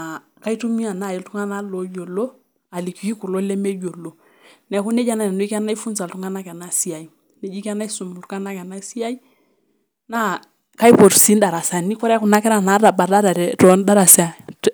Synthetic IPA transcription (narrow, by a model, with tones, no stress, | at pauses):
a˨ | ka˦i˦tu˦mi˦a˨na˦˨i˨ltu˦ŋa˦na˦lo˨˦jo˨lo˦ | a˨li˨ku˨i˦ku˨lɔ˦le˦me˦jo˨lo˨ | nɛ˨ku˦nɛ˦d͡ʒa˦na˨nɛ˨nu˦i˦ka˦na˦i˦fu˦nsa˨ltu˦ŋa˦na˦kɛ˨na˦si˦a˨i˨ | ne˨d͡ʒi˦ka˦na˦i˦su˨mu˨ltu˦a˦na˦kɛ˨na˦si˦a˦i˦ | na˦ | ka˦i˦po˨ɾsi˦nda˨ɾa˨sa˨ni˦kɔ˦ɾɛ˦ku˨na˦kɛ˦ɾa˦˨na˨˦da˨ba˨da˦ɾa˨ɛ˨tɔ˦nda˦ɾa˨sɛ˦a˨